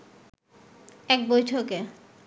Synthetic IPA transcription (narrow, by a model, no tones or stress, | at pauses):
ɛk̚bojtʰoke